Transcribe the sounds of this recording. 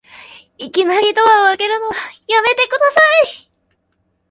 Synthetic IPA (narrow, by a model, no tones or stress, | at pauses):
ikʲinaɾʲit̪o̞βaβake̞ɾɯ̟no̞βajame̞t̪e̞kɯ̟d̪asai